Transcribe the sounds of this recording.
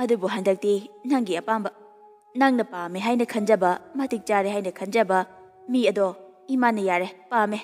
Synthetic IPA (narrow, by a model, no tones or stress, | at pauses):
ɐdubuɦandɐk̚tinaŋɡiɐpambɐ | naŋnɐpameɦajnɐkʰɐnd͡ʒɐbɐmɐtik̚t͡ʃaɾeɦajnɐkʰɐnd͡ʒɐbɐ | miɐdo | imanːɐjaɾepame